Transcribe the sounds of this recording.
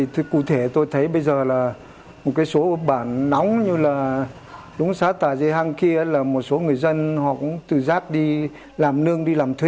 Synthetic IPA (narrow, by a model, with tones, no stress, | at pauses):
i˨˩t̪ʰkṵ˧˩t̪ʰe˧˩t̪o˧jt̪ʰə˨˦jɓə˧jzəː˨˩laː˨˩ | mo˨˩t̚kaː˨˦jso˨˦ɓaː˧˩nːɔ˨˦wŋ͡mɲɨ˧laː˨˩ | ɗʊ˨˦ŋ͡msaː˨˦t̪aː˧˩zə˧ɦa˧ŋki˧əʔə˨˦laː˨˩mo˨˩t̚so˨˦ŋɨ˨˩əjzə˧nhɔ̰˧˨kʊ̰˧˥ŋ͡mt̪ɨ˨˩zaː˦˥k̚ɗi˧ | laː˨˩mnɨ˧əŋɗi˧laː˨˩mt̪ʰwi˧˩